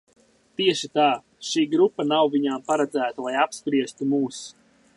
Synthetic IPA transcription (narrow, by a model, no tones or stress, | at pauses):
t̪iɛʃit̪aː | ʃiːɡɾupːanawvʲiɲaːmpaɾɛd̪zæːt̪alˠajapspɾiɛst̪umuːs